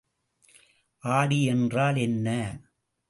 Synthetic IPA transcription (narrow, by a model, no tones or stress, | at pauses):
ʔaːɽiɛndraːlɛnːɐ